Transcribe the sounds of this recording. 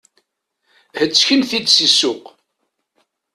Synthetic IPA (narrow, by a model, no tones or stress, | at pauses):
hət͡sːçimθid̪sisːʊq